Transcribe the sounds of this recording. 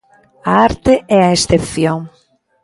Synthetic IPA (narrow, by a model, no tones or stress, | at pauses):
aaɾt̪ɪɛaest̪epθjõŋ